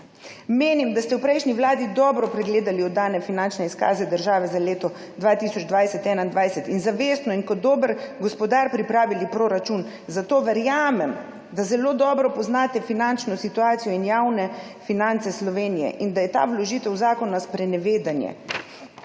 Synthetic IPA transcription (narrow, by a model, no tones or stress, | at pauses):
meːnimd̪ast̪ɛwpɾɛjʃniwlaːd̪id̪ɔbɾɔpɾɛɡleːd̪aliɔd̪aːnɛfinant͡ʃnɛiska̰ːzɛd̪əɾʒaːʋɛzaleːt̪ɔ | d̪ʋaːt̪isɔd͡ʒd̪ʋajsɛt̪ɛːnaind̪ʋajsɛt̪inzaʋest̪nɔinkɔd̪ːoːbəɾɡɔspɔd̪aːɾpɾipɾaːʋilipɾoːɾat͡ʃun | zat̪oːʋəɾjaːmɛm | d̪azɛloːd̪ɔːbɾɔpɔznaːt̪ɛfinant͡ʃnɔsit̪uaːt̪sijɔinjawnɛfinant̪sɛslɔʋeːnijɛ̰ʔind̪ajɛt̪a̰wlɔʒiːt̪ɛwzaːkɔnaspɾɛnɛʋeːd̪anjɛ̰